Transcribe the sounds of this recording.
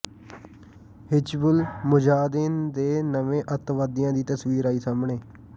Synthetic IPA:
hɪt͡ʃbʊlmʊd͡ʒaːd̪ɪːnd̪eːnəʋẽːʔət̪ʋaːd̪ɪjãːd̪iːt̪əsʋiːɾaːiːsaːmɳeː

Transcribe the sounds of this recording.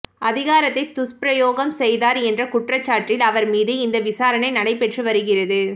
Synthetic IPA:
ɐðɪɣaːɾɐt̪ːɐɪt̪ːʊspɾɐjoːɣɐmsɛjðaːɾɛndrɐkʊʈrɐt͡ʃːaːʈrɪlɐʋɐɾmiːðɯɪnd̪ɐʋɪsaːɾɐnɐɪnɐɽɐɪpːɛʈrɯʋɐɾɯɣɪrɐðɯ

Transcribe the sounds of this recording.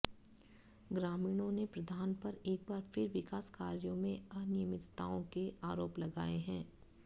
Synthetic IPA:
ɡɾaːmiːɽ̃õnepɾɐd̪ʱaːnpɐɾeːk̚baːɾfɪɾʋɪkaːskaːɾjõmẽɐɦnijəmɪt̪t̪a̰ːõkeʔaːɾoːplɐɡaːeɦɛ̃ː

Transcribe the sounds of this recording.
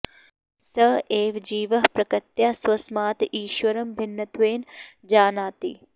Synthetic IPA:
sɐeːʋd͡ʒiːʋɐɦpɾɐkɐt̪jaːswɐsmaːt̪iːʃʋɐɾɐmbʱɪnːɐt̪ʋeːn | d͡ʒaːnaːt̪ḭː

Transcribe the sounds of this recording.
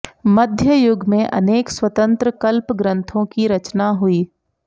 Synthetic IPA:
mɐd̪ʱjəjʊɡmẽʔɐ̰neːkswɐt̪ə̃nt̪ɾəkɐlpɡɾə̃nt̪ʰõkiɾɐt͡ʃnaɦuiː

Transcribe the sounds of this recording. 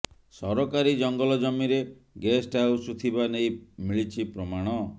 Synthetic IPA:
sɔɾɔkaɾid͡ʒɔŋɡɔlɔd͡ʒɔmiɾe | ɡesʈawsut̪ʰibanejmiɭit͡ʃʰipɾɔmaɽ̃ɔ

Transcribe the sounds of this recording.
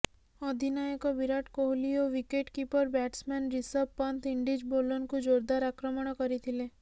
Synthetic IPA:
ɔd̪ʱinajekɔbiɾaʈkoɦlijoʋikeʈkipəɾbɛːʈsmɛnɾisəbpːənt̪ʰɪɳɖid͡ʒbolɔnkod͡ʒoːɾd̪aɾakɾəməɽ̃ɔkəɾit̪ʰile

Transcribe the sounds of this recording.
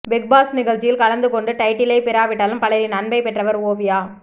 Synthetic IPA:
ʋɛk̚baːsnɪɣɐɭt͡ʃɪjɪlkɐlɐnd̪ɯkɔɳɖɯʈɐɪʈːɪlɐɪpɪɾaːʋɪʈːaːlɯmpɐlɐɾinɐnbɐɪpɛʈrɐʋɐɾoːʋɪjaː

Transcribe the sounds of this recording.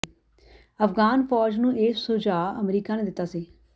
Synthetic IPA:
əfɡaːnfɔːd͡ʒnũːʔeːssʊːd͡ʒaːəmɾiːkaːneːd̪ɪt̪ːaːsiː

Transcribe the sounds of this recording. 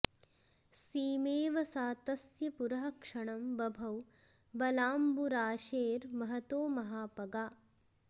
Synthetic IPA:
siːmeːʋɐsaːt̪ɐsjɐpuɾɐɦɐkʂɐɳɐmbɐbʱɐw | bɐlaːmbuɾaːʃeːɾmɐɦɐt̪oːmɐɦaːpɐɡaː

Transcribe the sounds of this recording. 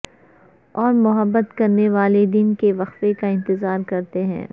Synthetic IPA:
ɔːɾmʊɦəbːət̪kɐɾneʋaːled̪ɪnkeʋɐxfekaɪ̃nt̪ɪzaːɾkɐɾt̪eɦɛ̰̃ː

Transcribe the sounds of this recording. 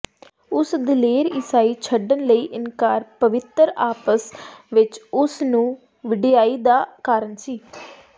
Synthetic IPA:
ʊsd̪ɪleːɾɪsaːiːt͡ʃʰəɖənləiːʔɪnkaːɾpəʋɪt̪əɾaːpəsʋɪt͡ʃʊsnũː | ʋɪɖijaːiːd̪aːkaːɾəɳsiː

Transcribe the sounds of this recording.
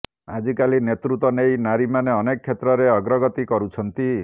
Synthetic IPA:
ad͡ʒikalinet̪ɾut̪wɔnejnaɾimaneɔnekɔkʰːet̪ɾɔɾeɔɡɾɔɡɔt̪ikɔɾut͡ʃʰɔnt̪i

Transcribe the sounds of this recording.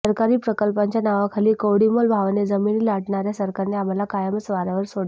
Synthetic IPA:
əɾkaɾiːpɾəkəlpaɲt͡ɕjanaʋakʰaliːkowɽimolbʱaʋned͡zəminiːlaʈɳaɾjasəɾkaɾneam̤alakajamət͡sʋaɾaʋəɾsoɽ

